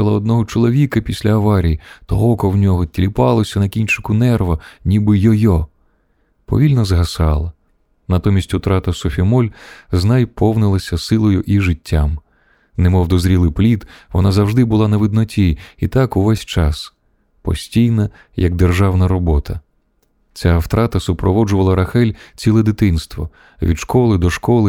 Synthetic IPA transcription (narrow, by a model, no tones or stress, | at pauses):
ɐlˠɐɔd̪̚nɔɦɔt͡ʃɔlˠɔʋʲikɐpʲisʲlʲɐɐʋɑɾʲijit̪ɔɦɔkɔwnʲɔɦɔtʲlʲipɑlˠɔsʲɐnɐkʲinʲt͡ʃɪkʊnɛrʋɐnʲibɪjɔjɔ | pɔ̰ʋʲilʲnɐzɦɐsɑlˠɐ | nɐt̪ɔmʲisʲtʲut̪ɾɑt̪ɐsɔfʲimɔlʲznɑjpʰɔwnɪlˠɐsʲɐsɪlˠɔjʊʔiʒɪtʲːam | nemɔwd̪ɔzɾʲilˠɪplʲit̪ʋɔnazɐwʒd̪ɪbʊlˠɑnɐʋɪd̪̚nɔtʲiit̪akʊʋɛsʲt͡ʃɑs | pɔ̰sʲtʲijnɐ | jɐɡ̚d̪erʒɑwnɐɾɔbɔt̪ʰɐ | t͡sʲawt̪ɾɑt̪ɐsʊpɾɔʋɔd͡ʒʊʋɐlˠɐɾɐxɛlʲt͡sʲilˠɛd̪ɪt̪ɪnst̪ʋɔ̰ | ʋʲḭd̪ʃkɔlˠɪd̪ɔʃkɔlˠɪ